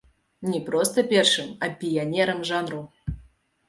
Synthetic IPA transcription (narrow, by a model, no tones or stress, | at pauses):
nʲɛpɾɔst̪ɐpʲɛrʂɨmɐpʲijanʲɛɾɐmʐanru